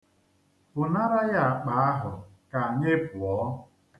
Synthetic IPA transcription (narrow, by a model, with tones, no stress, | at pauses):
bʊ˨na˦ɾa˦ja˦a˨k͡pa˨a˦ɦʊ˨ | ka˨ɲe˦pʊ˨ɔ˨˦